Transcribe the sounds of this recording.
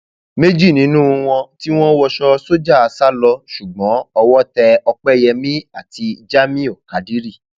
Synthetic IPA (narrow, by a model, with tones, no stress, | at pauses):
me˦d͡ʒi˦˨nĩ˨˦nũ˦˧w̃ɔ̃˧ti˦w̃ɔ̃˦wɔ˧ʃɔ˧so˦d͡ʒa˦˨a˨˧sa˦lɔ˧ʃu˨ɡ͡bɔ̃˨˦ɔ˧wɔ˦tɛ˧ɔ˧k͡pɛ˦˨jɛ˧mĩ˦a˦˨ti˧d͡ʒa˦mĩ˦o˦˨ka˨di˦ɾi˦˨